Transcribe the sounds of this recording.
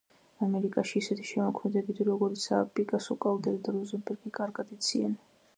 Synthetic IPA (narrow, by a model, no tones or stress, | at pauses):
amɛɾikʼaʃiːsɛt̪ʰi̥ʃɛmɔkʰmɛd̪ɛbit̪ʰiɾɔɡɔɾit̪sʰa̰pʼikʼasɔkʼald̪ɛɾid̪aɾɔzɛmbɛɾɡikʼaɾɡad̪it̪sʰia̰n